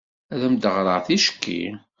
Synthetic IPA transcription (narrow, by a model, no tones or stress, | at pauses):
æðæmd̪əʁɾˤəʁθiʃkʰːḭ